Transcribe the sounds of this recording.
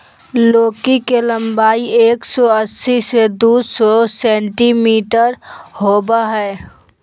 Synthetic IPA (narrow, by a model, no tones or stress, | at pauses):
loːkikelə̃mbaːieːksɔəsːised̪uːsɔsɛ̃ːɳʈimiːʈəɾhoːbaɦɛː